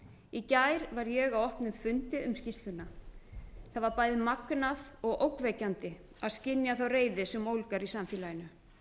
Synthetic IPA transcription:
icaːjɾvaɾjɛɣawɔhpnʏmfʏnt̪ɪʏmscist̪ʏnːa | θaðvaɾpaːjðɪmaknaðɔɣowkvɛcant̪ɪ | aðscɪnjaθawreːjðɪsɛmowlkaɾisamfiːlajɪnʏ

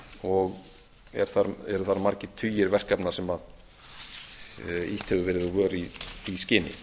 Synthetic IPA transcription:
ɔɣ | ɛ̰ɾ̥θaɾɛɾʏθaɾmaɾcɪt̪ʰyːjɪɾvɛr̥kapnasɛmað | iht̪hɛvʏvɪːɾɪðɔvœːɾiθiscɪːnːɪ̰

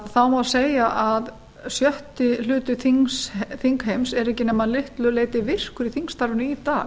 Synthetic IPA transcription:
ðθawmaseːjaʔað | sjœht̪ɪlʏːt̪ʏθiŋsθiŋkɦejmsɛɾɛhcɪnɛmːaðlɪht̪lʏleːjt̪ɪvɪr̥kʏɾiθiŋst̪aɾvʏnʏit̪aː

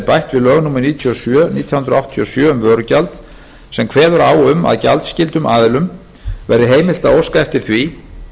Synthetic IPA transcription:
pajht̪vɪðlœːɣnuːmːʏɾniːt̪ʰiɔsjœniːt̪ʰjahʏnd̪ɾɔawht̪ʰiɔsjœːʏmvœːɾʏcalt̪ | sɛmkʰvɛːðʏɾaːwʏma̰ðca̰lt̪scɪlt̪ʏmʔa̰ːðɪlʏm | vɛɾðɪɦeːjmɪlt̪aowskaɛft̪ɪɾ̥θvi

